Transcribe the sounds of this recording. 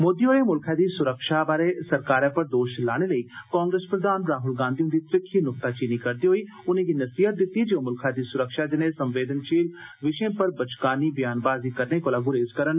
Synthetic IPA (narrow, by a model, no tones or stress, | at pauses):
moːd̪iːoːɽeːmʊlkʰaːd̪iːsʊɾəkʃaːbaːɾeːsəɾkaːɾɛ̃ːpəɾd̪oːʃlaːɽ̃eːləiːkɔ̃ːŋɡɾəspɾəd̪aːnɾaːɦʊlɡãːnd̪iũd̪iːt̪ɾɪkʰːiːnʊk̚t̪aːt͡ʃɪnikəɾd̪iːɦoiː | ʊnẽːɡiːnəsiːɦət̪̚d̪ɪt̪ːiːd͡ʒeõːmʊlkʰaːd̪iːsʊɾəkʃaːd͡ʒɪnẽːsəmʋeːd̪ənt͡ʃiːlʋɪʃẽːpəɾbət͡ʃkaːniːbjaːnbaːziːkəɾneːkoːlaːɡʊɾeːzkəɾən